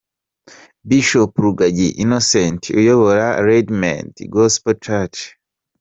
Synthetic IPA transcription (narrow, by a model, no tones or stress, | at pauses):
biʃopɾuɡaɟiʔinosentʰiujoβoɾaɾedma̰ntiɡospot͡ʃat͡ʃ